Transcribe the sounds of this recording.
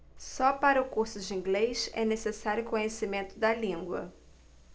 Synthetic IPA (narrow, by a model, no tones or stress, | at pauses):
sɔpaɾɐʊkuɾsʊd͡ʒɪĩŋɡlejʃɛ̰nesesaɾjʊkõɲesimẽnt̪ʊd̪ɐlĩŋɡwɐ̰